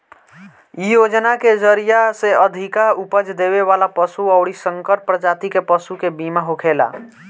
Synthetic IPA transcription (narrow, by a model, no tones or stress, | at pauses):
ijod͡ʒnaked͡ʒəɾijaseəd̪ʱikaɾupəd͡ʒd̪eβeβalapəsuəʊɽisəŋkəʈ̚pɾəd͡ʒat̪ikepəsukebimaɦokʰela̰